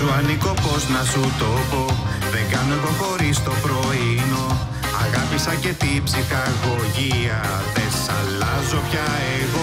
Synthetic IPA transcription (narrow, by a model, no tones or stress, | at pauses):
ɾuɐniko̞po̞znɐsut̪opo̞ | ðeŋɡɐno̞eɣo̞xo̞ɾist̪o̞pɾo̞ino̞ | ɐɣɐpisɐce̞t̪ipsixɐɣo̞ʝiɐ | ðessɐlɐzo̞pçɐ | eɣo